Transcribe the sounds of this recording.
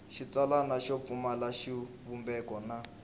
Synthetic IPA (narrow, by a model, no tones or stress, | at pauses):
ʃit͡salanaʃɔp̪fumalaʃi | βumbɛkɔna